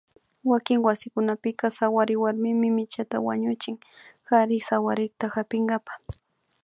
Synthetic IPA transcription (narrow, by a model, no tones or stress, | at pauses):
wakɪŋwasɪkʊnapɪkasawaɾɪwaɾmɪmɪmɪt͡ʃat̪a̰wa̰ɲʊt͡ʃɪŋ | haɾɪsawaɾɪkt̪axapɪŋɡapḁ